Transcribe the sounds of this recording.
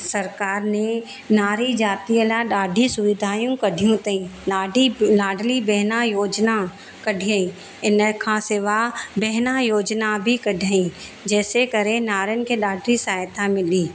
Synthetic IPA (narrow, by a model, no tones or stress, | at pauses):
sɐɾkaːɾne | naːɾid͡ʒaːt̪iəlaɖaːɖʱisʊʋɪd̪ʱaːjũkəɖʱijõt̪ĩnaːɖilaːɖʱlibɛɦnajoːd͡ʒna | kəɖʱijaĩ | ɪnəkʰãseːʋabɛɦnajoːd͡ʒnabʱikəɖʱaĩ | d͡ʒɛːsekəɾẽnaːɾənkeɖaːɖʱɾisaːjt̪amɪliː